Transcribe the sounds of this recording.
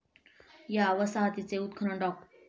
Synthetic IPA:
jaʋəsaɦət̪it͡seut̪̚kʰɾəɳɖɔk̚

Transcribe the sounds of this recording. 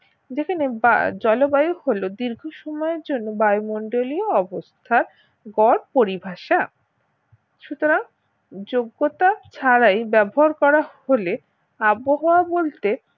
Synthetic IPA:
d͡ʑekʰaneba̰d͡ʑɔlobajoholod̪iɾɡʱoʃɔmɔeɾd͡ʑonːobajmɔɳɖolioɔbost̪ʰaɾ | ɡɔɾpoɾibʱaʃa | ʃut̪oɾaŋ | d͡ʑoɡːot̪at͡ɕʰaɾajbɛboɦaɾkɔɾahole | aboɦoabolt̪e

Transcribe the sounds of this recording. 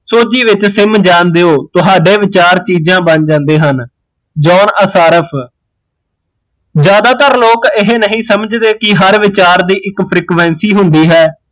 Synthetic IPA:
soːd͡ʒiːʋɪt͡ʃsɪmd͡ʒaːnd̪eːoːt̪ʊɦaːɖeːʋɪt͡ʃaːɾt͡ʃiːd͡ʒãːbənd͡ʒãːnd̪eːɦən | d͡ʒɔːnəsaːɾəpʰ | d͡ʒjaːd̪aːt̪əɾloːkɪɦenəɦĩːsəməd͡ʒd̪eːkɪɦəɾʋɪt͡ʃaːɾd̪iːʔɪkpʰɾiːkʋɛ̃ːnsiːɦʊnd̪iːɦɛː

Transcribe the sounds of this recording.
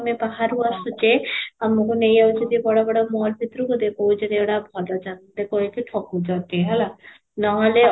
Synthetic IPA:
mebaɦaɾɦuasut͡ʃeamːokunejawt͡ʃʰed̪ibɔɽɔbɔɽɔmɔlbʱit̪ɾɔkud̪ekʰowt͡ʃeneɽabʱɔlɔd͡ʒand̪ekʰɔit͡ʃiʈʰɔkud͡ʒɔt̪iɦɛla | nɔɦɔle

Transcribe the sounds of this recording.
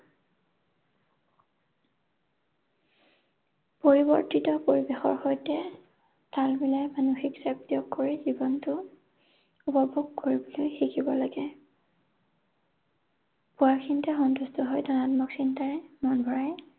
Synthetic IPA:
poɹibɔ̰ɹtitɔpoɹibexɔ̰ɹxojtɛ | talbilajmanuxiksaptiɔkːoɹizibɔntʊ | upɔbʱuɡ̚koɹibɔlojxikʰibɔlaɡɛ | pʊaɹkʰintɛxɔntustʰɔɦɔjdɔnatmɔksintaɹɛmɔnbʱɔɹaj

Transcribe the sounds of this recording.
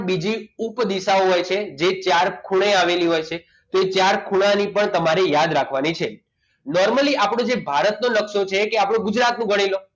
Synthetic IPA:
bid͡ʒiupd̪isaoɦojt͡ʃʰed͡ʒet͡ʃaɾkʰuɽ̃eaʋeliɦojt͡ʃʰe | t̪oet͡ʃaɾkʰuɽ̃anipəɳt̪əmaɾejad̪ɾakʰʋanit͡ʃʰe | nɔɾməliʔapɽõd͡ʒebʱaɾət̪nonəkʃot͡ʃʰekeapɽ̃õɡʊd͡ʒɾat̪nũɡʱəɽ̃ilo

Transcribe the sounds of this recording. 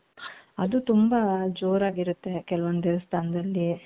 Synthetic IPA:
ɐd̪ut̪umbɐd͡ʒoːɾaːɡiɾut̪ːe̞kɛlɐʋond̪eʋɐst̪ʰaːnɐd̪ɐlːi

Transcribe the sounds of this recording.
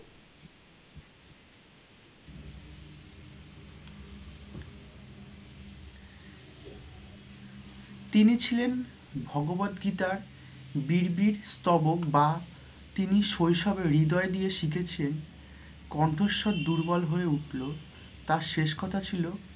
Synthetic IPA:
t̪init͡ɕʰilen | bʱɔɡobad̪ɡit̪aɾ | biɾbiɾst̪ɔbokba | t̪iniʃojʃɔbeɾːid̪ɔed̪ijeʃikʰet͡ɕʰilen | kɔɳʈʰoʃːod̪d̪uɾbɔlɦoeuʈʰlo | t̪aɾʃeʃkɔt̪ʰat͡ɕʰilo

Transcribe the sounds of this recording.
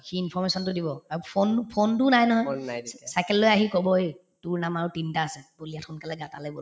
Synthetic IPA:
xiinpʰɔɹmesɔntʊdibɔaɹupʰonpʰontʊnajnɔɦɔjsajkɛlːojaɦikɔbɔi | tʊɹnamaɹʊtintaːsɛbulijatxɔnkalɛɡatalɛbol

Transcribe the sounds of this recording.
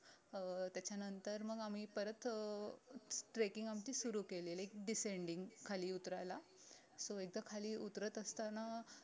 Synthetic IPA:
t̪jat͡ɕanənt̪əɾməɡam̤iːpəɾət̪ | ʈɾekiŋɡamt͡ɕiːsuɾuːkeliːlajk̚ɖiseɳɖiŋɡkʰaliːut̪ɾala | soek̚d̪akʰaliːut̪ɾət̪əst̪ana

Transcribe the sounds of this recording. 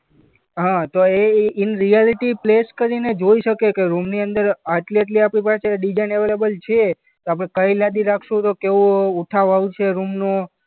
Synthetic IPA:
ɦãt̪oeɪnɾijaliʈipleskəɾined͡ʒoiʃəkekeɾumniənd̪əɾəʈleʈ̬liapɽ̃ipat͡ʃeɖid͡ʒajneʋelebəlt͡ʃʰe | t̪oapɽ̃ekəilad̪iɾakʰʃũt̪okeʋũːʈʰaʋaʋũt͡ʃʰeɾumno

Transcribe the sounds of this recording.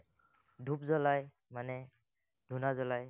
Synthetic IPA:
dʱupzɔlaj | manɛ | d̥ʱunazɔlaj

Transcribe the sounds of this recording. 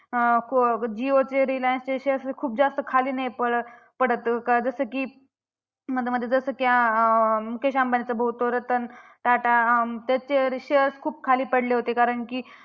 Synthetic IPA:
kʰd͡ʑiot͡seɾilajnst͡seɕeɾskʰuːp̚d͡zast̪əkʰaliːnajpəɽ | pəɽət̪kad͡zəsəːkiː | məd̪ʱjməd̪ʱjed͡zəsəːkja | mukʰeɕambanit͡səbʱəɦut̪oɾət̪ən | ʈaʈat̪jat͡ɕeɾɕeɾskʰuːb̚kʰaliːpəɽleɦot̪ekaɾəɳkiː

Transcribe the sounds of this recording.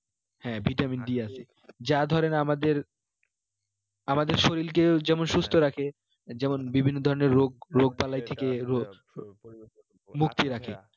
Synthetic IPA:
hɛ̃bʱiʈamind̪ieasʰe | d͡ʑad̪ʱɔɾenamad̪eɾ | amad̪eɾʃoɾilk̬ed͡ʑɛmonʃust̪ʰoɾakʰe | d͡ʑɛmonbibʱinːod̪ʱɔɾoneɾːoɡ̚ɾoɡ̚palajt̪ʰekeɾo | mukt̪iɾakʰe

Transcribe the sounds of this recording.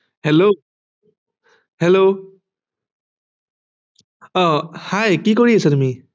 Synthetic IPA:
hɛlo | hɛlo | ɔhajkikoɹiasɛtumi

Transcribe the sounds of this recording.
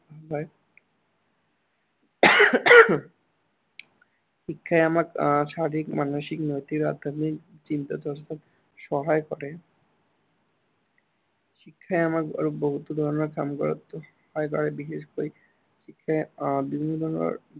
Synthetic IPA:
bae | ʃikʰːaeamakʃaɾikmanoʃiknojt̪ikɾa̰d̪ʱːani | t͡ɕint̪ad̪ʱɔʃt̪at̪ | ʃɔɦaekɔɾe | ʃikʰːaeamaka̰ɾuboɦut̪od̪ʱɔɾoneɾka̰mɡɔɾo̰t̪ːo | ɔekɔ̰ɾebiʃeʃkoi | ʃikʰːaebibʱinːod̪ʱɔɾnḛ

